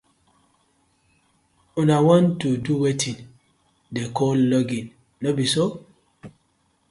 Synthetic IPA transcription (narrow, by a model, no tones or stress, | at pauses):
unawɔ̃ntːuduwetʰĩn | dekʰɔllɔɡĩnː | obiso